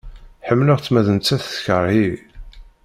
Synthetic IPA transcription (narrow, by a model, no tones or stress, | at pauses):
ħəmːləʁt͡sːmæðənt͡sːæθθçəɾˤi